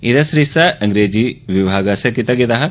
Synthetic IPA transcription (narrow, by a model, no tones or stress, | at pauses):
id̪ɐsɾisɐɐŋɡɾeːd͡ʒiːʋibʱaːɡɐsɐkit̪ɐɡed̪ɐɦɐ